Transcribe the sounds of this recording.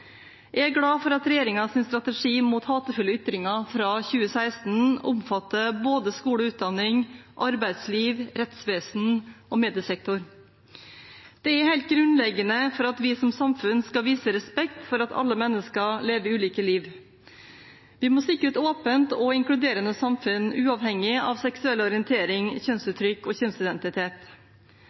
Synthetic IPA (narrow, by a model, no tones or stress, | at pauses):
jæɪæɡɽɑːfɔɾɑt̪ɾɛjeːɾɪŋɑsɪnst̪ɾɑt̪əʂiːmuːt̪hɑːt̪əfʉlːəʏt̪ɾɪŋɑfɾɑːçʉːəsæɪst̪nʊ̰mfɑt̪ːəboːd̪əskuːɽəʉːt̪̚d̪ɑnːɪŋʔɑɾbæɪd̪sliːʋɾɛt̪sʋeːsn̩ʔɔmeːd̪ɪəsɛk̚t̪ʊɾ | d̪̥ɛæɾhæɪlt̪̚ɡɾʉnlɛɡːənəfɔɾɑt̪ʋɪsɔmsɑmfʉnskɑʋiːsəɾɛspɛkt̪fɔɾɑt̪ʰɑ̰lːəmɛnːəskəleːʋəɪʉːliːkəliːʋ | ʋɪmɔsɪkːəɾət̪oːpənt̪ɔɪŋklʉd̪eːɾənəsɑmfʉnʉːɑʋhɛŋːɪɑʋsɛksʉɛlːɔɾɪənt̪ʰeːɾɪŋçœnsʉːt̪ʰɾʏkːɔçɛnsɪd̪ɛnt̪ɪt̪ʰeːt̪